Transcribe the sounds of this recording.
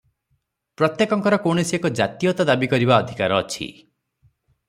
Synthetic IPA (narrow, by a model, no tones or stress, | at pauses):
pɾɔt̪jekɔŋkɔɾɔkoɳ̃esiekɔd͡ʒat̪ijɔt̪ɔd̪abikɔɾibaɔd̪ʱikaɾɔːt͡ʃʰḭ